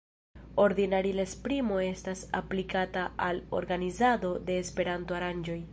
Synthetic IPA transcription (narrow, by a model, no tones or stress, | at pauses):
o̞ɾdinaɾilespɾimo̞e̞stasa̰plikataʔalo̞̰ɾɡanizado̞de̞ːspe̞ɾanto̞aɾand͡ʒo̞j